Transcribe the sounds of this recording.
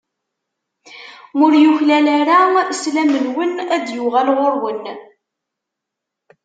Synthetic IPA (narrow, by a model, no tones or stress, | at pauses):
ʊɾjuçlælæɾaslæmənwənæd̪jʊʁælʁoɾwən